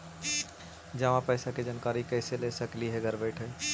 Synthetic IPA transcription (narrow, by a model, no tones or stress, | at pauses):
d͡ʒɐʋãpɛːsaked͡ʒankaːɾikɛːɪseleːsəkliɦɛɡʱɐɾʋeːʈʰɦɛː